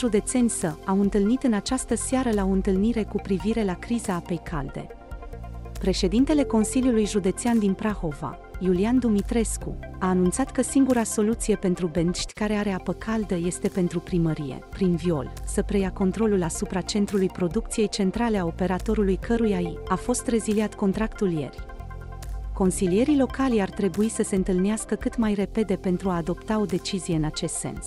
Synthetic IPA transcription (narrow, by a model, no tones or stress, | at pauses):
ʒud̪e̞t̪se̞nʲsəawɨnt̪ɨlnit̪ɨnat͡ʃast̪əseaɾəlao̞ɨnt̪ɨlniɾe̞kupɾiviɾe̞lakɾizaape̞jkʰa̰ld̪e̞̰ | pɾe̞ʃe̞d̪int̪e̞le̞ko̞nsilijulujʒud̪e̞t̪seand̪inpɾaxo̞va̰ | juliand̪umit̪ɾe̞skuaːnunt̪sat̪kəsiŋɡuɾaso̞lut̪sije̞pe̞nt̪ɾube̞nʃt̪ʲkaɾe̞aɾe̞apəkʰald̪əje̞st̪e̞pe̞nt̪ɾupɾiməɾije̞̰pɾinvio̞̰lsəpɾe̞jako̞nt̪ɾo̞lulasupɾat͡ʃe̞nt̪ɾulujpɾo̞d̪uk̚t̪sije̞jt͡ʃe̞nt̪ɾale̞ao̞pe̞ɾat̪o̞ɾulujkʰəɾujaiafo̞st̪re̞ziliat̪ko̞nt̪ɾakt̪ulje̞̰rʲ | ko̞nsilije̞ɾilo̞kalijart̪ɾe̞buisəse̞ɨnt̪ɨlneaskəkɨt̪majre̞pe̞d̪e̞pe̞nt̪ɾuaːd̪o̞pt̪ao̞d̪e̞t͡ʃizijeɨnat͡ʃe̞st̪se̞̰ns